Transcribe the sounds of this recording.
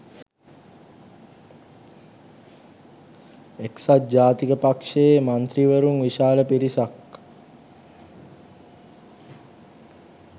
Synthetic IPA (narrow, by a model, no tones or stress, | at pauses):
eksat̪̚d͡ʒaːt̪ikəpakʂemant̪ɾiʋəɾuŋʋiʃaːləpiɾisak